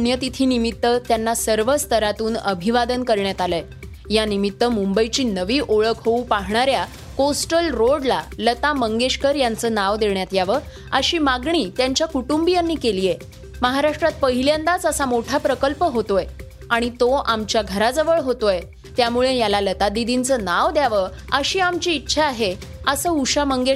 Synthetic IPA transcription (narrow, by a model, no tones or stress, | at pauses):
njət̪it̪ʰiːnimit̪ːət̪janːasəɾʋəst̪ʰəɾat̪uːnəbʱiʋad̪ənkəɾɳjat̪aləj | janimit̪ːəmumbəjt͡ɕiːnəʋiːʔoɭəkʰɦoupaɦɳaɾja | kosʈəlɾoɽlalət̪aməŋɡeɕkəɾjant͡səːnaʋd̪eɳjat̪jaʋə | əɕiːmaɡɳiːt̪jaɲt͡ɕjakuʈumbijanːiːkelije | məɦaɾaʂʈɾat̪̚pəɦiljãnd̪at͡səsamoʈʰapɾəkəlpəɦot̪oj | aɽ̃it̪oʔamt͡ɕjaɡʱəɾad͡zəʋəɭɦot̪oj | t̪jamuɭejalalət̪ad̪id̪int͡sənaʋd̪jaʋə | əɕiːamt͡ɕiːtːɕʰaːɦe | əsəːuɕaməŋɡe